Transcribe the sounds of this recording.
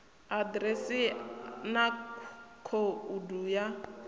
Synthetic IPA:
adɾɛsinakʰouduːja

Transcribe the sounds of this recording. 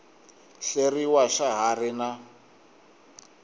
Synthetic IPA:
ɬeriwaʃaɦarɪna

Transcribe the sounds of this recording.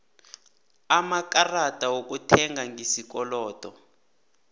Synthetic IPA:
amakaratʼawok̬ʼutʰɛŋɡaŋʱisik̬ɔlɔːtʼɔ

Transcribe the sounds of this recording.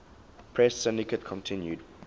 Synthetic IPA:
pʰɹɛsːɪ̃ndikətkʰɔ̃ntʰɪ̃njud

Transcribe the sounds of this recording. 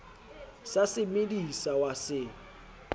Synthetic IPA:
sasɪmedisawasɪ

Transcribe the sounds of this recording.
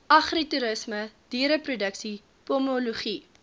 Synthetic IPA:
ɐχrituɾəsməd̥iəɾəprudəksi | pɔmoluχi

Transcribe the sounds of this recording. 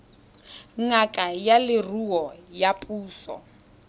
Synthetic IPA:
ŋakʼajalɪruɔjapʼuːsɔ̰

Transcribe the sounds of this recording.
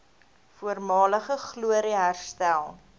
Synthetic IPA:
fuərmɑːləχəχluəɾiɦærstælˠ

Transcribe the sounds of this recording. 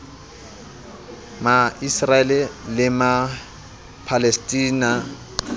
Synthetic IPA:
maisraɛlɛlɪma | pʰalestʼiːna

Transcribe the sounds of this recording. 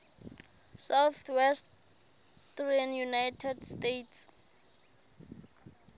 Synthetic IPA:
sawθwɛst | trianjunajtʰɛdstetʰs

